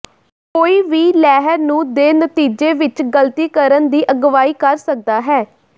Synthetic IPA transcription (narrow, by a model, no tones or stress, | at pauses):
koːiːʋiːlɛːɦəɾnũːd̪eːnət̪iːd͡ʒeːʋɪt͡ʃɡəlt̪iːkəɾənd̪iːʔəɡʋaːiːkəɾsək̚d̪aːɦɛː